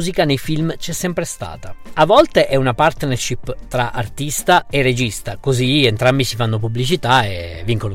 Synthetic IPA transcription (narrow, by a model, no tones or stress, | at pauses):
zikanejfilmt͡ʃɛsːɛmpɾest̪a̰ːt̪aavːɔlt̪eʔɛunapart̪nerʃipt̪ɾaʔart̪ist̪aerːed͡ʒist̪akozient̪ɾambisifanːopublit͡ʃit̪aevːiŋkon